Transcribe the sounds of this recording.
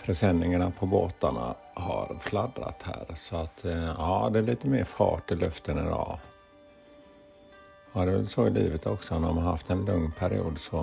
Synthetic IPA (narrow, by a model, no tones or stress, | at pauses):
fɾɛsɛnːɪŋaɳapʰɔboːt̪aɳa̰ | ha̰ɾflad̪ɾa̰t̪hæ̰ːɾsɔat̪ɑːd̪ɛæɭiːt̪əmeːɾfɑ̰ːʈːɪlœft̪ənɪd̪ɔ̰ː | d̪ɛvɛlsɔɪliːvət̪ʰɔksɔnmamaɾhaft̪ɛnlɵŋnpʰæɾɪṵːd̪sɔ